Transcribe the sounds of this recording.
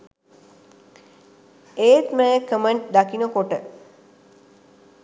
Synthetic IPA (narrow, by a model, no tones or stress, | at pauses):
eːt̪məjəkəməɳʈ̚d̪akinəkoʈə